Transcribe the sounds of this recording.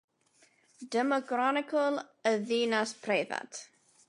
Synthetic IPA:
dɛmɔɡɾanɪkʰɔlˠəðiːnaspʰrejða̰t

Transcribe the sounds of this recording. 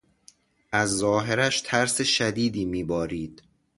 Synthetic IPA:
ʔæzːɒːɦeɾæʃt̪ʰæɾseʃæd̪iːd̪iːmiːbɒːɾiːd̪̥

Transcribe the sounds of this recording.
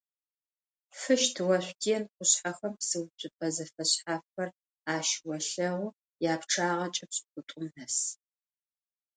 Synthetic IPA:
fɨʃtʰwɐɕʷtʰijɛnqʷʊɕħaxɐmpsɨwɕʼɪpɐzɐfɐɕħaːfɐr | aːʃwɐɬɐʁʷʊ | jaːpʈ͡ʂʰaːʁɐt͡ʃʼɐpɕʼqʷʊtʷʼʊmħɐs

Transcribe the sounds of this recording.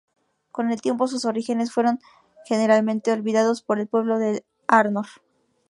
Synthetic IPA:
ko̞ne̞lt̪je̞mpos̬uso̞ɾixe̞nesfwe̞ɾo̞ŋ | xe̞ne̞ɾalmẽ̞nt̪e̞olβiðaðo̞spo̞ɾe̞lpwe̞βlo̞ðe | aɾnoɾ

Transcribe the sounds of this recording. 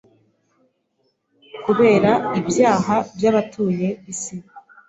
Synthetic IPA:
kuβe̞ːɾaibjaːɦabjaβatʰuːje̞βisi

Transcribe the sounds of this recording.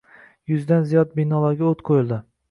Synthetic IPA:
jʊzd̪anzijɒd̪̚binɒlˠaɾɡʲaot̪qʰojɪlˠd̪ɪ

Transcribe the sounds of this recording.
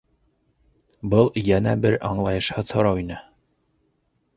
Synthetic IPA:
bɤlˠjænæbɘɾɑɴlˠɑjɤ̆ʃhɤðhŏɾɑwinɘ

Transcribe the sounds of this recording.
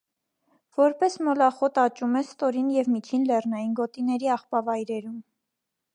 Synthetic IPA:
v̥ɔɾpɛsmɔlɑχɔt̪ɑt͡ʃumɛst̪ɔɾinjɛvmit͡ʃʰinlɛrnɑjinɡɔt̪inɛɾiɑχpɑvɑjɾɛɾum

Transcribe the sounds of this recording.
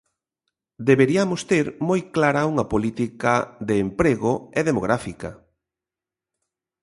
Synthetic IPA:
d̪eβeɾiamost̪eɾmojklaɾɐuŋɐpolit̪ikaðeːmpɾeɣoeðemoɣ̞ɾafika

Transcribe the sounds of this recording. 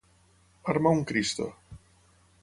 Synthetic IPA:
aɾmauŋkɾist̪o̰

